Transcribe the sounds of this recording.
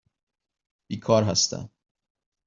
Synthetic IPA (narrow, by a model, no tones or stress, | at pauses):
b̥iːkʰɒːɾɦæst̪ʰæ̰